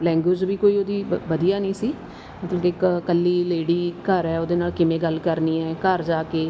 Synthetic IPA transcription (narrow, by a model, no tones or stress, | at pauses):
lɛ̃ːŋɡwed͡ʒʋiːkoːiːoːd̪iːʋəd̪ijaːnĩːsiː | mət̪ləbɪkkəlːiːleːɽiːkəɾɛːoːd̪eːnaːlkɪmẽːɡəlkəɾniːɛːkəɾd͡ʒaːkeː